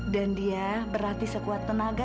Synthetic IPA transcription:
dandiabəɾart̪isəkuat̪ːənaɡa

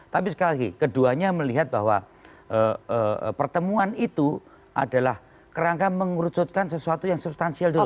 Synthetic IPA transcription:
t̪apisə̥kalɡikəduaɲaməliɦat̪̚ba̰ɦwa̰ | əəpərt̪əmuanit̪u | ʔa̰dalah | kəɾaŋkaməŋuɾut͡ʃʊt̪̚kansəsuat̪ujaŋsubst̪ansialdo

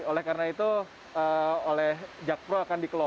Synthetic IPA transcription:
olɛhkarənait̪u | əolɛhd͡ʒak̚pɾoakandikəlo

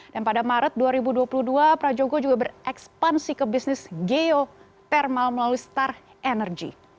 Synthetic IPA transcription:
danpadamaɾət̪̚duaɾibuduapuluduapɾad͡ʒoɡod͡ʒuɡabərʔɛkspansikəbisnɪsɡeo | t̪ɛrmalməlaluist̪ar | ʔɛnərd͡ʒḭ

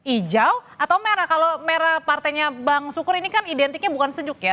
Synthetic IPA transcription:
id͡ʒawat̪awmeɾakalomeɾapart̪ajɲabaŋsukʊɾinikanidɛnt̪ik̚ɲabukansəɲd͡ʒʊkja

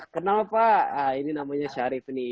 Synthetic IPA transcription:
kənaapaəininamaɲaʃaɾifni

